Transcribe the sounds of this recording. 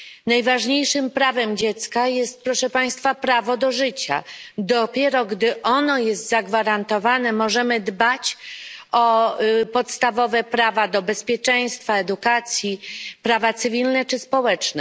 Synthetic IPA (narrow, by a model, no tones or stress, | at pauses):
najvaʐɲejʂɘmpɾavɛmd͡ʑɛt̪skajɛst̪̚pɾɔʂɛpaj̃st̪fapɾavɔd̪ɔʐɘt͡ɕa̰d̪ɔpʲjɛɾɔɡd̪ɘʔɔnɔjɛst̪zaɡvaɾant̪ɔvanɛmɔʐɛmɘd̪bat͡ɕ | ɔpɔt̪st̪avɔvɛpɾavad̪ɔbɛspʲjɛt͡ʂɛj̃st̪faɛd̪ukat̪sʲjipɾavat̪sɘvʲilnɛt͡ʂɘspɔwɛt͡ʂnɛ